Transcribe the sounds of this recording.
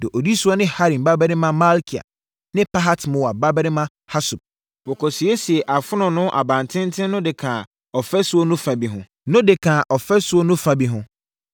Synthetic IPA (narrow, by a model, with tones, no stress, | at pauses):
dɪ˨ʔo˨di˦su˦ɔ˦nɪ̃˦ha˦ɾĩ˨mba˦bɛ˦ɾɪ̃˦mã˦ma˦lkʰi˨a̰˨ | nɪ̃˦pʰa˦ɦa˦tmʊ̃˨wa˨ba˦bɛ˦ɾɪ˦mã˦ | ha˦su˨b̚ | bɔ˨kʰɔ˨si˨e˦si˨ɛ˨ʔa˨fʊ˦nʊ̃˨nʊ̃˦ʔa̰˨bã˨ntʰɪ̃˦ntʰɪ̃˦nʊ̃˦dɪ˨kʰã˨ | ɔ˨fɛ˦sʊ˦o˦nʊ̃˦fã˨bi˨ɦʊ̃˦ | nʊ̃˦dɪ˨kʰãː˨ʔɔ˨fɛ˦sʊ˦o˦nʊ̃˦fa˨bi˦ɦʊ̃˦